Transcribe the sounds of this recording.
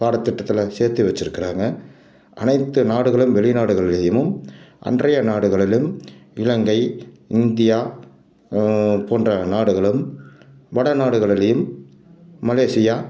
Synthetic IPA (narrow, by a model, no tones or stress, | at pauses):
kaːɽɐt̪ːɪʈːɐt̪ːɪlɐseːɾt̪iʋɐt͡ʃːɪɾɯkːɪraːŋɡɐ | ʔɐ̰nɐɪt̪ːɯnaːɽɯɣɐɭɯmʋɛɭɪnaːɽɯɣɐɭɪlɐjɯmɯmʔɐ̰ndrɐjɐnaːɽɯɣɐɭɪlɯmɪɻɐŋɡɐɪ | ɪnd̪ɪjaː | poːndrɐnaːɽɯɣɐɭɯm | ʋɐɽɐnaːɽɯɣɐɭɪlɐjɯmː | ɐleːsɪjaː